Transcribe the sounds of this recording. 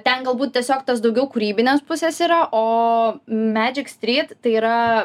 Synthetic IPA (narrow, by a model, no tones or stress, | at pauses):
t̪ʲɛnɡɐlˠbuːt̪̚ʲtʲiɛsʲoːkt̪osd̪ɐʊɡʲɛʊkuɾʲiːbʲɪnʲeːspʊsʲeːsiːɾɐʔoː | mʲæːd͡ʒʲɪksʲt̪ʲɾʲiːt̪t̪ɐɪiːɾɐ